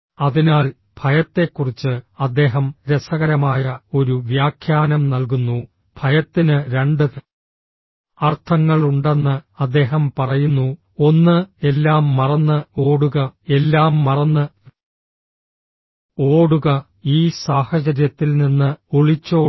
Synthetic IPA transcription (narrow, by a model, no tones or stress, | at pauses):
ɐðinaːl | b̥ʱɐjɐt̪ːe̞kːurit͡ɕːɨɐd̪ːe̞ːɦɐmɾesɐɣɐɾɐmaːjɐo̞ɾuʋjaːkʰjaːnɐmnɐlkunːu | b̥ʱɐjɐt̪ːinɨɾe̞ɳɖɨ | ɐrt̪ʰɐŋːɐɭuɳɖe̞nːɨɐd̪ːe̞ːɦɐmpɐrɐjunːu | o̞nːɨe̞lːaːmːɐrɐnːɨo̞ːɽuɣɐe̞lːaːmːɐrɐnːɨ | o̞ːɽuɣɐ | iːsaːhɐt͡ɕɐɾjɐt̪ːilninːɨoɭit͡ɕːo